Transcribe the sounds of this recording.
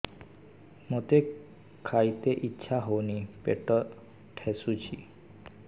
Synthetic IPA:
mot̪e | kʰajt̪eʔitːʃʰaɦownipeʈɔ | ʈʰesut͡ʃʰi

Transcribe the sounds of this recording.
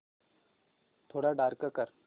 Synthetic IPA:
t̪ʰoɽaɖaɾkəkəɾ

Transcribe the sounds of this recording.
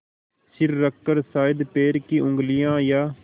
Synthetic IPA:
sɪɾːəkːəɾsaːɪd̪peːɾkiʔʊ̃ŋɡlɪjãːjaː

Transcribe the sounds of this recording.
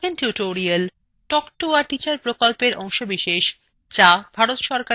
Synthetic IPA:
enʈjuʈoɾial | ʈɔkʈuaʈit͡ɕaɾpɾokolpeɾʔɔŋʃobiʃeʃ | d͡ʑabʱaɾot̪ʃɔɾka

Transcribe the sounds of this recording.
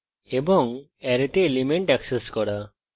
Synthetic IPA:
ebɔŋ | ɛɾet̪eːlimeɳʈɛkseskɔɽa

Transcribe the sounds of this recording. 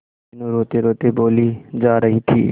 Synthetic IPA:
nũɾoːt̪eɾoːt̪eboːlid͡ʒaːɾəɦit̪ʰḭː

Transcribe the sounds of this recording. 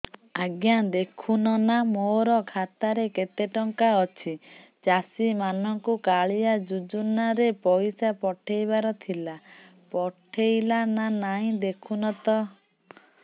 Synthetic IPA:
aɡjad̪ekʰunɔnamoɾɔkʰat̪aɾeket̪eʈɔŋkaɔt͡ʃʰi | t͡ʃasimanɔŋkukaɭijad͡ʒud͡ʒunaɾepɔjsapɔʈʰejbaɾɔt̪ʰila | pɔʈʰejlananaĩd̪ekʰunɔt̪ɔ

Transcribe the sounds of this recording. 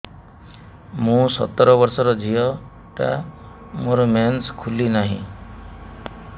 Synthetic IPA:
mũsɔ̰t̪ɔɾɔβɔɾsɔɾɔd͡ʒʱijɔ | ʈa̰ | moɾɔmanskʰulinaɦḭ̃

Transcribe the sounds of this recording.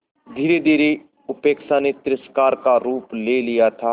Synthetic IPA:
d̪ʱiːɾed̪ʱiːɾe | ʊpeːkʃanet̪ɪɾɪskaːɾkaɾuːpleːlijat̪ʰaː

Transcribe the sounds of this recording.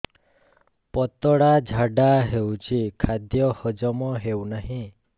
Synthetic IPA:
pɔt̪ɔɽad͡ʒʱaɖaɦewt͡ʃʰikʰad̪jɔhɔd͡ʒɔmɔɦewnaɦĩ

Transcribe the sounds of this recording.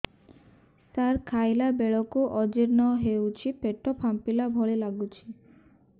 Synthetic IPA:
saɾkʰajlabeɭɔkuʔɔd͡ʒiɾnɔɦewt͡ɕʰipeʈːopʰampilabʱɔɭelaɡut͡ʃʰi

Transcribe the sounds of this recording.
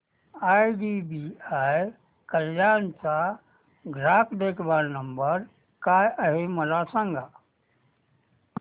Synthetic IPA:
ajɖibiaj | kəljaːnt͡ʃa | ɡʱɾaːkd̪ekʰbaɾnəmbəɾ | kaəɦeməlasə̃ŋɡa

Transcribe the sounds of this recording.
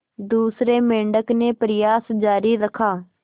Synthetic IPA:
d̪uːsɾeːmẽːɳɖəkneːpɾɪjaːsd͡ʒaːɾiːɾəkʰaː

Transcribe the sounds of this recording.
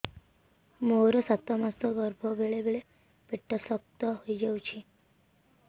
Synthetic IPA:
moɾɔsat̪ɔmast̪ɔɡɔɾbʱɔbeɭebeɭe | piʈːɔsɔk̚t̪ɔɦojd͡ʒewt͡ʃʰi

